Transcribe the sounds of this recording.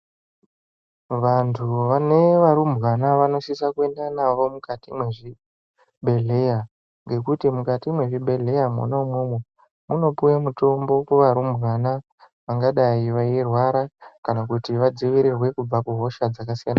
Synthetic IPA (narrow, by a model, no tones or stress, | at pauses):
ʋantʰuʋane̞ʋaɾumbɣanaʋano̞ʃisakue̞ndanaʋo̞mukatimweʐi | bʱe̞ɮe̞ja | ŋɡe̞kutimukatimwe̞ʐiɓʱe̞ɮe̞jamo̰noumwemwe | muno̞pujemuto̞mbo̞keʋaɾumbwana | ʋaŋɡaɗaiʋajerwaɾakanakutiʋad͡ziʋiɾirwe̞kub͡vakuɦo̞ʃad͡zakasijana